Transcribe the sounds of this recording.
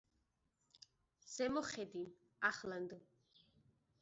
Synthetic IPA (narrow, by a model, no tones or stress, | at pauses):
z̥ɛmɔχɛd̪in | aχland̪ɔ